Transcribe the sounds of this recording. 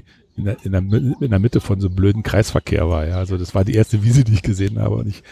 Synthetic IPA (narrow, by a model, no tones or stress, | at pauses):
ʔɪnɛʔɪnemɪɪndeɐmɪtəfɔnzoːbløːdn̩kʁ̥a̰ɪsfɛɐkʰḛːɐva̰ːɐjaːʔalzodasv̥aːɐdḭːʔeːɐstəviːzədiːɪçɡ̥əzeːənha̰ːbə̰ʊ̰ntɪç